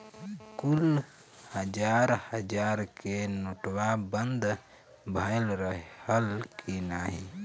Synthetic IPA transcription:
kul | həd͡ʒaɾhəd͡ʒaɾkenoʈwabənd̪ʱ | bʱəɪlɾəɦəlkinaɦi

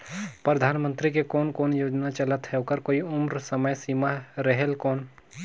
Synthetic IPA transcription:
pɾəd̪ʱaːnmə̃nt̪ɾikekɔːnkɔːnjoːd͡ʒnat͡ʃɐlət̪ɦɛokəɾkoːiʊmɾsəməjsiːmaɾəɦelkɔːn

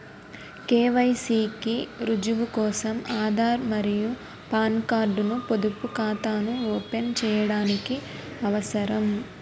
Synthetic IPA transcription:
keːʋɐjsiːkiɾud͡ʒuʋukɔːsɐmaːd̪ʱaːɾmɐɾiju | paːnkaːɾɖunupod̪upukaːt̪aːnuɔːpent͡ʃɛːjɐɽaːniki | ɐʋɐsɐɾɐm

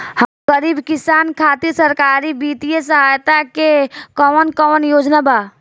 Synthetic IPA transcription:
həmɡəɾiːbkisaːnkʰaːt̪iɾsəɾkaːɾibiːt̪ijesəɦajt̪akekɔnkɔːnjoːd͡ʒnaba

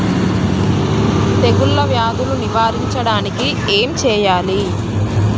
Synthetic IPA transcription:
t̪eɡulːɐʋjaːd̪uluniʋaːɾiɲt͡ʃɐɽaːniki | eːmt͡ʃɛːjaːli

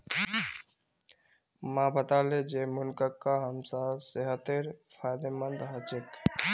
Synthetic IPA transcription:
mãbət̪aled͡ʒemunkəkːaɦəmsaseɦət̪ːeɾpʰajd̪emənd̪ɦət͡ʃek

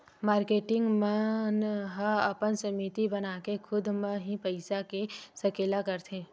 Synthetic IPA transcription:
maːɾkeːʈɪ̃ŋɡmənɦəɐpənsɐmiːt̪ibɐnaːkekʰʊd̪mə̃ɦĩpəɪsakesɐkeːlakɐɾt̪ʰẽː

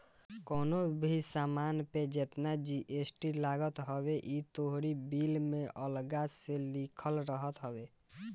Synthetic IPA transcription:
kɔːnobʱisaːmaːnped͡ʒet̪nad͡ʒiʔesʈilaːɡət̪ɦəweʔit̪oɦɾibilmẽʔəlɡaselikʰəlɾəɦət̪ɦəwe

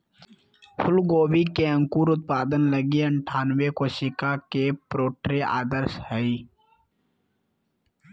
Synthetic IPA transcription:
fʰʊlɡoːbikeɐ̃ŋkuːɾʊt̪̚paːd̪ənləɡiɐɳʈʰaːnwekoːʃikakepɾoːʈɾea̰ːd̪əɾshɛi

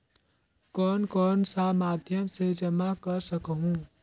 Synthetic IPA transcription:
kɔnkɔnsamad̪ʱjəmsed͡ʒəmakəɾsəkɦũ

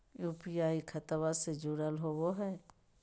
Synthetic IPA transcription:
jupɪjaːikʰət̪əwased͡ʒuɽəlɦoːwoɦɛː

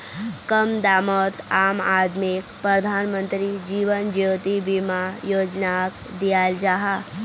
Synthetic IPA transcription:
kəmd̪aːmɔt̪aːmaːd̪mikpɾəd̪ʱanmənt̪ɾid͡ʒiːʋənd͡ʒjoːt̪ibimajoːd͡ʒnak | d̪ijald͡ʒaɦa

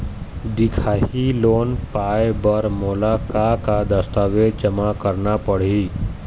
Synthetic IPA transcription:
d̪ɪkʰaːiloːnpaːjbɐɾmoːlakakad̪ɐst̪aːʋed͡ʒɐmakəɾnapɐɽ̤i

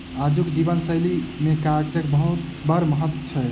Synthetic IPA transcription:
ad͡ʒukd͡ʒibənsəjlimekaɡd͡ʒəkbəɦut̪bəɾməɦət̪ːwət͡ʃʰɛjt̪

